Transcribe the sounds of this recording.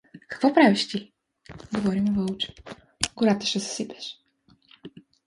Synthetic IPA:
kḁkvɔpɾavʲiʃt̪ʲili | ɡɔvɔɾimuvɔlt͡ʃ | ɡuɾat̪ɛ̥ʃɛssipʲɛʃ

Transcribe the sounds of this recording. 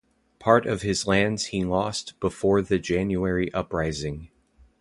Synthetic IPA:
pʰɑɹɾʌv̥ɨzlæ̃ndz̥hilɔstb̥əfɔɹðɨd͡ʒæ̃njuɛɹiʔʌpɹaɪzɪ̃ŋ

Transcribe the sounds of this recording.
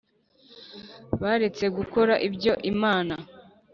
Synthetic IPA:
βaɾe̞t͡se̞ɡuko̞ɾaʔibɟo̞ʔimaːna

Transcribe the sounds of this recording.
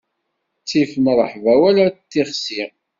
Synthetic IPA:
t͡sːifənɾˤəħvæwælæt̪ːiʁsi

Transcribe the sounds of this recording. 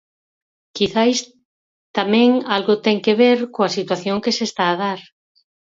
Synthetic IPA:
kiθajs | t̪amɛ̃ŋalɣʊt̪ɛŋkeβ̞eɾkoasit̪waθjoŋkesest̪aːð̞aɾ

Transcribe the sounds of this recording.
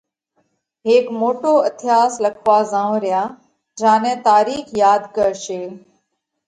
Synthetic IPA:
ɦeːkmoːʈoːət̪ʰɪjaːsləkʰʋaːzãːõːɾɪjaː | d͡ʒãːnɛ̃ːt̪aːɾiːxjaːd̪kəɾʃeː

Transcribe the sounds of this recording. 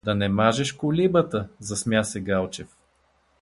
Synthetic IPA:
d̪ɐnɛmaʒɛʃkolibət̪əzɐsmjasɛɡalˠt͡ʃɛf

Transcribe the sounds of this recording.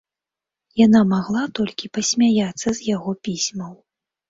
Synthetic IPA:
janamaɣlˠat̪ɔlʲkʲipɐsʲmʲajat̪sːɐzʲjaɣɔpʲisʲmɐw

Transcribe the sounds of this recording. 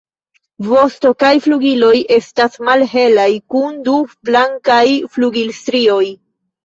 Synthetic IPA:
vo̞sto̞kajfluɡilo̞je̞stasmalɦe̞lajkundublaŋkajfluɡilstɾio̞j

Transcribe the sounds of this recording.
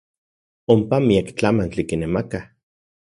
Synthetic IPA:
ompamiakt͡ɬamant͡ɬikinemaka

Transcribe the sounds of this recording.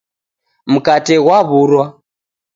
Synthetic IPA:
m̩katɛɣwaβuɾwa

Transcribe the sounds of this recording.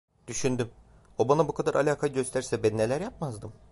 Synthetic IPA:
d̪̥yʃynd̪ym | obanabukʰad̪aɾʔalʲaːkʰaɯɟø̞st̪ʰæɾsɛbænne̞lʲæɾjapmazd̪ɯm

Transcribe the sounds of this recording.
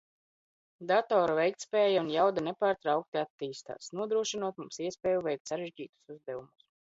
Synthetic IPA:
d̪at̪ɔːɾuvɛjkt̪spʲɛːjaunjawd̪anepaːɾt̪ɾawk̚t̪iat̪ːiːst̪a̰ːsnuɔd̪ɾuɔʃinuɔt̪mumsiɛspʲɛːjuvɛjk̚t̪saɾeʒɟiːt̪u̥suzd̪ɛvumus

